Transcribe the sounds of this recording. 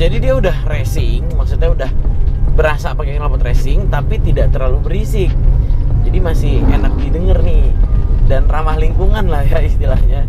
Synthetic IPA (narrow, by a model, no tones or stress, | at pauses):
d͡ʒadidiaudahresɪŋmak̚sut̪ɲaudahbəɾasapakekəɾapɔt̪resɪŋt̪apit̪idaʔt̪ərlalubəɾisɪk̚d͡ʒadimasɪhenak̚didəŋərnɪhdanramahliŋkuŋanlahjaist̪ilahɲa